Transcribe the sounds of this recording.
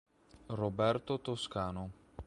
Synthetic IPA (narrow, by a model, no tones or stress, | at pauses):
robɛrt̪ot̪oskaːno